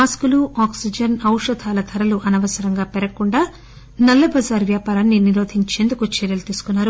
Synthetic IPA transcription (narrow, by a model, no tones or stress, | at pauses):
aːskuluʔaːksid͡ʒɐnɐwʂɐd̪ʱaːlɐt̪ʰɐɾɐluʔɐnɐʋɐsɐɾɐŋɡaːpɛɾɐkuɳɖaː | nɐlːɐbɐzaːɾʋjaːpaːɾaːnːiniɾo̞ːd̪ʱiɲt͡ʃe̞ːnd̪ukut͡ʃɛɾjɐlut̪iːsu̥kunːaːɾu